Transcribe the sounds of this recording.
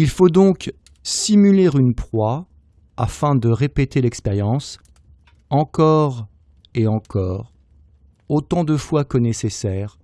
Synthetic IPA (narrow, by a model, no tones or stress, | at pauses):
ilfod̪ɔ̃k | simyleʁynpχwa | afɛ̃d̪əʁepet̪elɛkspeʁjɑ̃s | ɑ̃kɔʁ | eɑ̃kɔːʁ | ot̪ɑ̃d̪əfwakənesesɛːʁ